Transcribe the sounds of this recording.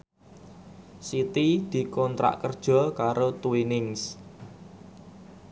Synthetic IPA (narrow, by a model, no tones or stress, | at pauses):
sit̪id̪̥i̤kɔnt̪ɾa̰ʔkərd̥ʒ̥ɔ̤kaɾot̪uinɪŋs